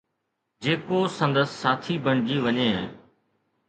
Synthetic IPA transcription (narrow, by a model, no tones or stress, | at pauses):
d͡ʑeːkosə̃nd̪əsːaːt̪ʰibəɳ̃d͡ʑiːʋəɲeː